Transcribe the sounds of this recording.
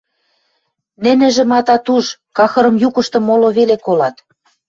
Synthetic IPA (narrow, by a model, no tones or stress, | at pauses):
nɘ̆nɘ̆ʒɘ̆mɑt̪ɑt̪uʃkɑxɤ̆ɾɤ̆mjukɤ̆ʃt̪ɤ̆mːoloβelekolɑt̪